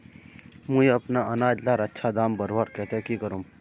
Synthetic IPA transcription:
mũiɐpnaɐnaːd͡ʒlaːɾɐtːʃʰad̪aːmbɐɾʋaɾkɛːt̪ekikɐɾum

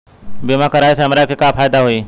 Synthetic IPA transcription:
bimakəɾaːjseɦɐmɾakikapʰaːjd̪aɦoiː

